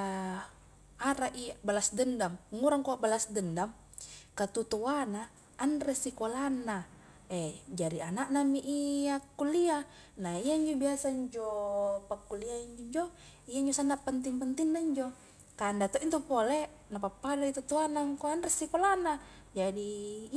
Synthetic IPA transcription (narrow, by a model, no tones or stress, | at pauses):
aɾaʔiabalasdəndaməŋuɾaŋkoʔbalasdəndam | kat̪ut̪uanaː | nrɛsikolanːa | ɛd͡ʒaɾianaʔnamiʔiakːulia | naijaiɲd͡ʒobiasaiɲd͡ʒɔpakːuliaiɲd͡ʒoɲd͡ʒo | ijaiɲd͡ʒosanapənt̪iŋpənt̪inːaiɲd͡ʒɔ | kandat̪oʔint̪upole | napapːadait̪ut̪uanakoanrɛsikolana | d͡ʒadi